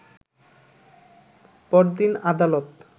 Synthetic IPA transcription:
pɔɾd̪inad̪alot̪

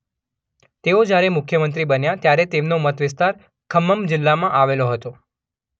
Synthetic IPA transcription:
t̪eod͡ʒjaɾemʊkʰjəmənt̪ɾibənjat̪jaɾet̪emnomət̪ʋɪst̪aɾ | kʰəmːəmd͡ʒɪlːamãʔaʋeloɦət̪o

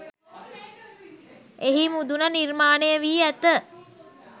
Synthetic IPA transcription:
eɦimud̪unənirmaːnejəʋiːæt̪ə

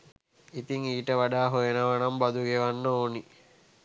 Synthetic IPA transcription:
it̪iŋiːʈəʋaɖaːɦojenəʋanambad̪uɡeʋanːəoːni

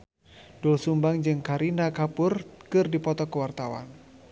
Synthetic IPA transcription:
d̥ulsumbaŋd͡ʒɨŋkaɾinakapʊrkɨrdipɔt̪ɔkəwart̪awa̰n

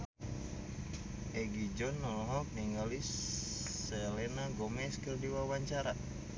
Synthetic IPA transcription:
ʔɛɡid͡ʒɔnːɔnɔɦɔk̚niŋɡalis | ɛlɛnaɡɔmɛskərdiwawaɲt͡ʃaɾa

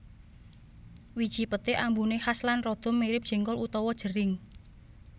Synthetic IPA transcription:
wid̥ʒ̥i̤pət̪ɪʔambunehaslanrɔd̪̥ɔ̤mːeɾɪp̚ʒ̥i̤ŋkɔlut̪ɔwɔd̥ʒ̥ə̤ɾɪŋ

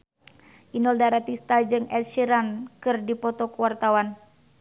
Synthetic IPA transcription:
ʔinɔldaɾat̪ist̪ad͡ʒɨŋɛlʃiɾankɨrdipɔt̪ɔkuwart̪awan

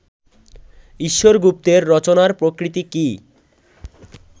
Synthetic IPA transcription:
iʃːoɾɡup̚t̪eɾːɔt͡ɕonaɾpɾokɾit̪iki

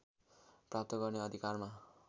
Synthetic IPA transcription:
prap̚t̪ʌɡʌrneʌd̪ʱikarma

